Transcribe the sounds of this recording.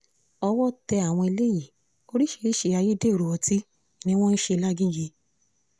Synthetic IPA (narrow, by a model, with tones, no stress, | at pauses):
ɔ˧wɔ˦˨tɛ˧a˨w̃ɔ̃˧i˧le˦ji˦˨ | o˧˦ɾi˦ʃe˧ɾi˦ʃe˧a˧je˦de˦o˨ɾu˨wɔ˧ti˦ | nĩ˦w̃ɔ̃˦n̩˦ʃe˧la˦ɡĩ˦ɡe˧˦